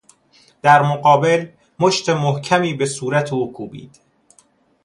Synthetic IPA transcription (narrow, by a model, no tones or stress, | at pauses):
d̪̥æɾmoɢɒːbe̞l | moʃt̪ʰemohcʰæmiːbe̞suːɾæt̪ʰeuːkʰuːbḭːd̪̥